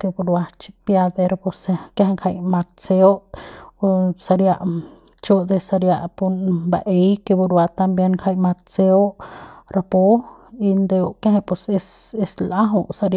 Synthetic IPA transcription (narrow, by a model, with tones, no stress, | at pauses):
ke˧bu˧ɾwa˧t͡ʃi˧pja˧d̪e˧ɾapo˧se˧kja˦ɦe˧ŋkʰa˧jma˧t̪̚t͡se˧o˦ʔ | sa˧ɾja˧ʔ | t͡ʃo˦ʔd̪e˧sa˧ɾja˧ʔpu˧nba˨ʔe˧jke˧bu˧ɾwa˧t̪a˧mbje˧nkʰa˧jma˧t̪̚t͡se˧o˦ʔɾa˧po˦ | i˧nd̪e˧o˧ʔkja˦ɦe˧po˧se˧se˧sla˦ɦu˧ʔsa˧ɾ